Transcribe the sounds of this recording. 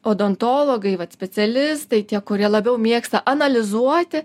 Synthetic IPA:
oːd̪ont̪oːlˠoːɡɐɪʋɐt̪sʲpʲɛsʲɛlʲɪst̪ɐɪt̪ʲiɛkʊɾʲiɛlˠɐbʲɛʊmʲiːkst̪ɐʔɐnɐlʲɪzuɔt̪ʲɪ

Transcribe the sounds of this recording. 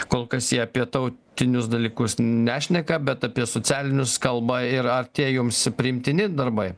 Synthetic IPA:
koːlˠkɐsjiɛɐpʲiɛt̪ɐʊt̪ʲɪnʲʊsd̪ɐlʲiːkʊsnʲæːʃʲnʲɛkɐbʲɛt̪ɐpʲiɛsot͡ssʲæːlʲɪnʲʊskɐlˠbɐɪɾɐɾt̪ʲiɛjʊmspʲɾʲɪɪmʲt̪ʲɪnʲɪd̪ɐɾbɐɪ

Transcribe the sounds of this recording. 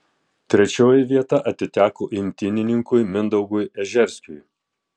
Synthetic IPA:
t̪ʲɾʲɛt͡ʃʲoːjɪʋʲiɛt̪ɐʔɐt̪ʲɪt̪ʲæːkoːʔɪmʲt̪ʲɪnʲɪnʲɪŋkʊjmʲɪnd̪ɐʊɡʊjɛʒʲɛɾʲsʲk̪ʲʊj

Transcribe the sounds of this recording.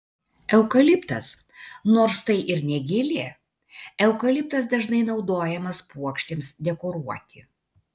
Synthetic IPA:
ɛʊkɐlʲɪpt̪ɐs | noːɾst̪ɐɪʔɪɾnʲɛɡʲɪlʲeː | ɛʊkɐlʲɪp̚t̪ɐs̬d̪ɐʒnɐɪnɒʊd̪oːjɛmɐspuɔkʃʲt̪ʲeːmsd̪ʲɛkɔɾuɔt̪ʲɪ

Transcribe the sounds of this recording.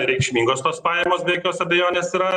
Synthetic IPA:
ɾʲɛɪkʃʲmʲiːŋɡoːst̪oːspɑːjɛmoːsbʲɛɛkʲoːsɐbʲɛjoːnʲeːsiɾɐ

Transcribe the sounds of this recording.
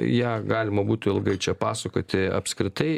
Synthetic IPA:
jæːɡɑːlʲɪmɐbuːt̪ʲɪlˠɡɐɪt͡ʃʲɛpɑːsɐkoːt̪ʲɪɐ̰pskɾʲɪt̪ɐɪ

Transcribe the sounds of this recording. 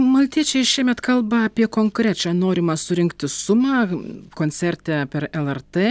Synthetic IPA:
mɐlʲt̪ʲiɛt͡ʃʲɛɪʃʲiɛmʲɛt̪kɐlˠbɐɐpʲiɛkoːŋkɾʲæːt͡ʃʲɛnoːɾʲɪmɑsʊɾʲɪŋkt̪ʲɪsʊmɑːkoːnʲsʲɛɾʲt̪ʲɛpʲɛɾɛlˠɛrt̪eː

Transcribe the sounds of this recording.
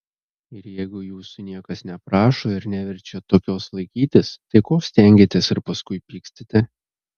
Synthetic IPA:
ɪɾjɛɪɡʊjuːsʊnʲiɛkɐsnʲɛpɾɑːʃoːɪɾnʲæʋʲɛɾʲt͡ʃʲɛt̪oːkʲoːslˠɐɪkʲiːt̪ʲɪst̪ɐɪkoːsʲt̪ʲɛˑŋʲɡʲɪt̪ʲɛsɪɾpɐskʊɪpʲiːksʲt̪ʲɪt̪ʲɛ

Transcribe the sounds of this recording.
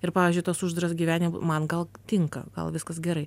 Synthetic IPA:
ɪɾpɑːʋʲɪːzʲd͡ʒʲʊɪt̪oːsʊʒd̪ɾɐsɡʲiʋʲæːnʲɪmmɐnɡɐlˠt̪ʲɪŋkɐ̰ɡ̥ɐ̰lˠʋʲɪskɐsɡʲɛɾɐɪ

